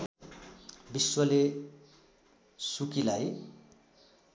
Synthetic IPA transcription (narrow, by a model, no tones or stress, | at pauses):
biswʌle | sukilaj